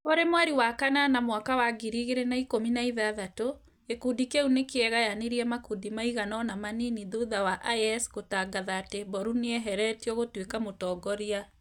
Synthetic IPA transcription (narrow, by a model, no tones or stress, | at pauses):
oɾemoaɾiwakananamwakawaɡiɾiɣeɾenaikominaiðaðato | ekudikeunekeɛɣajaneɾiɛmakudimaiɣanɔnamaniniðoðawaʔajɛsɣotaɡaðaːtebɔɾuneɛɦɛɾɛtiɔɣotwekamotɔːɡɔɾia